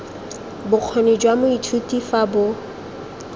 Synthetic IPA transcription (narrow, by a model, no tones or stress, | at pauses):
bʊq͡χʰoned͡ʒwamʊitʰutʼifabʊ